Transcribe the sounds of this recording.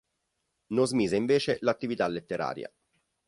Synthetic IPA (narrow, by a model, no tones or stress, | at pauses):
nozmiːzeiɱveːt͡ʃelat̪ːivit̪alet̪ːeɾa̰ːɾja̰